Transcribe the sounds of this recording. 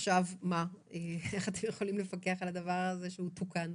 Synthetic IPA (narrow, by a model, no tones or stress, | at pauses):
ʃavmaeeχat̪emjeχo̞limlefakeaχalad̪ɐvaʁaze̞ʃeutukan